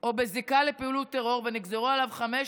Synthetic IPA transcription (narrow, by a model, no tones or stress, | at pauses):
ʔo̞bezikalepiulut̪eʁo̞ʁveniɡzeʁualavχame